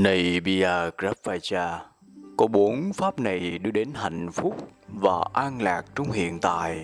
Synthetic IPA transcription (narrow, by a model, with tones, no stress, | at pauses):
nə˨˩jɓi˧aː˧kza˦˥p̚fa˧jt͡ɕaː˧ | kɔ˨˦ɓo˨˦nfaː˦˥p̚na˨˩jɗɨ˧əɗe˨˦nɦa̰˧˨jŋ̟fʊ˦˥k͡p̚vaː˨˩ʔaː˧nlaː˨˩k̚t͡ɕʊ˧wŋ͡mɦḭ˧˨ənt̪a̰ː˧˨j